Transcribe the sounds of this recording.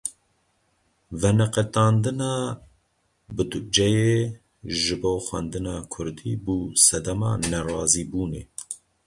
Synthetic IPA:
vɛnɛqɛt̪ɑːnd̪ɨnɑː | bɨd̪d͡ʒɛjeː | ʒɨboːxwɛ̰nd̪ɨnɑːkʰʊɾd̪ḭːbuːsɛd̪ɛmɑ̰ːnɛrɑːziːbuːneː

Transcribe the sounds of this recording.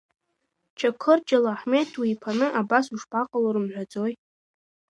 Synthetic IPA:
t͡ʃʰakʷʰɨrd͡ʒalaħmetʰwiːpʰanɨʔabasuʂpʼaqʼaloɾɨmʕᶣʷad͡zo̞j

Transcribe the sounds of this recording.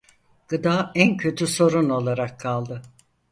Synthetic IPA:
ɡ̥ɯd̪aːæncʰø̞t̪ʰyso̞ɾuno̞lˠaɾakʰːalˠd̪ɯ

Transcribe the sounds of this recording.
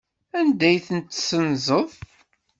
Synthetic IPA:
ænd̪æjθənt̪ːsənzˤəðˤ

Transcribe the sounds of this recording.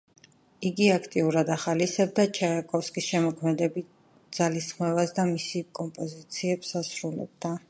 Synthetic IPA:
iɡiakʰt̪ʼiuɾad̪aχalisɛb̚d̪at͡ʃʰaakʼɔfskʼisʃɛmɔkʰmɛd̪ɛbit̪̚ | d̪z̥alisχmɛvasd̪amisikʼɔmpʼɔzit̪sʰiɛbsasɾulɛ̰b̚d̪a

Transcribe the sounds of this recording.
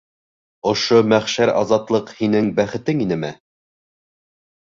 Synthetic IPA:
ŏʃomæχʃæɾɑ̰zɑt̪lˠɤqhinɘŋbæχɘ̆t̪ɘŋinɘmæ

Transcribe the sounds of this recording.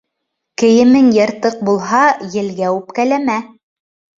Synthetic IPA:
kɘ̆jɘ̆mɘŋjɤ̆ɾt̪ɤq̚bulˠɦɑjɘ̆lɡæʉpkælæmæ

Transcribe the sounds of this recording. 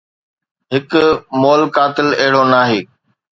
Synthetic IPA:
ɦɪkmoːlkaːt̪ɪleɦɪɽonaːɦeː

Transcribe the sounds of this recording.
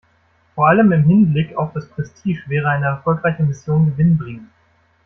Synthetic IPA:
foːɐʔaləmɪmɦɪnblɪkaʊfd̥aspʁ̥ɛstʰiːʃv̥ɛːʁ̞əaɪnəɛɐfɔlkʁ̥aɪçəmɪsjoːnɡəvɪnbʁiŋ

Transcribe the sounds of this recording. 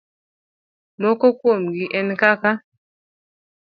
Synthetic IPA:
mɔkɔkwomɡiʔɛnkaka

